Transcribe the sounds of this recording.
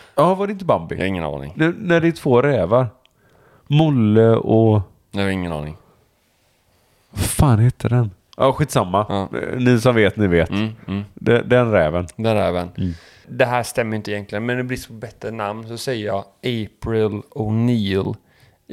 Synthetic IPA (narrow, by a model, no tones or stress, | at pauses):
jɑːvaɖɛɪnt̪əbambɪ̰ɪŋːə̰nɑ̰ːnɪ̰ŋnnæɖɛʈ̪ʰv̥oːɾɛːvaɾ | mʊlːəɔ | ɪŋːənɑ̰ːnɪ̰ŋ | faːnheːt̪ʰəɖɛn | ʔɑ̰ɧiːt̪samːa̰nɪsɔmveːt̪nɪveːt̪ːd̪ɛd̪ɛnɾɛːvənd̪ɛnɾɛ̰ːvən | d̪ɛɦæːʂt̪ɛmːəɾjʏnt̪əɪjɛnk̪lɪɡənmɛnd̪ɛbɾɪsːpʰɔbɛt̪ːɾənamnsɔsɛjəjɑːʔeːpɾɪlɔkniːl